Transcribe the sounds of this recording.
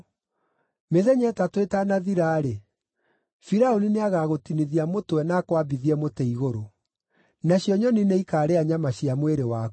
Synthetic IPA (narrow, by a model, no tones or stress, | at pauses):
meðɛɲɛtatwetanaðiɾaːɾe | fiɾaonineaɣaːɣotiniðiamotwɛnakwabiðiɛmotɛiɣoɾo | naɕjɔɲɔnineikaːɾeaɲamaɕiamweɾewa